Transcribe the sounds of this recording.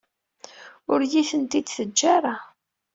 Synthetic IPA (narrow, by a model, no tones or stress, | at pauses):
ʊɾjiθənt̪id̪θəd͡ʒːaɾˤa